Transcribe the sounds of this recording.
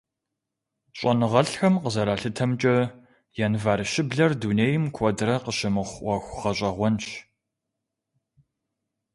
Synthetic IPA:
ɕʼɐnɨʁɐɬxɐmqəzɐɾaːɬɨtʰɐmt͡ʃʼɐ | jɛnvaːɾɨʃɪbɮɐrduːneːjɪmkʷʰɔdrɐqəʃɪmɨχʷʔɐxʷχɐɕʼɐʁʷɔnʃ

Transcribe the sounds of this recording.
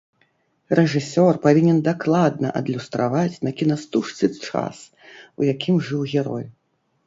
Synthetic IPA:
rɛʐɨsʲɔrpavʲinʲɛnd̪aklˠad̪nɐ̰ʔɐ̰d̪lʲust̪ɾavat͡sʲnɐkʲinast̪uʂt̪sɨt͡ʂa̰s | ujakʲʰimʐɨwɣʲɛɾɔ̰j

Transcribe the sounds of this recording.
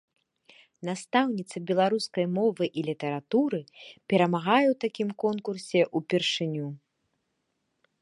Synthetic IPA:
nast̪awnʲit̪sɐbʲɛlˠaɾuskɐjmɔvɨʔilʲit̪ɐɾat̪uɾɨpʲɛɾɐmaɣajɛwt̪akʲimkɔnkursʲɛʔupʲɛrʂɨnʲu

